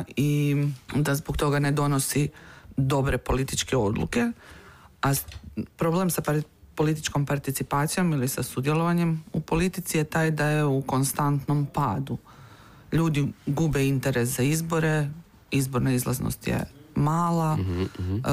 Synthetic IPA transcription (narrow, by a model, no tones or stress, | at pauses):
i | d̪azbokt̪o̞ɡane̞d̪o̞no̞sid̪o̞bɾe̞po̞lit̪it͡ʃke̞o̞̰d̪lˠṵke̞ | apɾo̞ble̞msap | po̞lit̪it͡ʃko̞mpaɾt̪it̪sipaːt̪sijo̞milisasud̪je̞lˠo̞ʋaɲe̞mupo̞lit̪it̪sije̞t̪aːjd̪aje̞uko̞nst̪ant̪no̞mpaːd̪u | ʎuːd̪iɡube̞int̪e̞ɾe̞szaizbo̞ɾe̞ | izbo̞ɾnaizlˠa̰zno̰st̪jḛmaːlˠa